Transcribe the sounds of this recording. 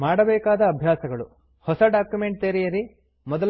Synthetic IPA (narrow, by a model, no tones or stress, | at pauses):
maːɽɐbɛːkaːd̪ɐːbʱjaːsɐɡɐɭu | hɔsɐɖaːkjume̞ɳʈ̚t̪eːɾijɐɾi | mɔd̪ɐl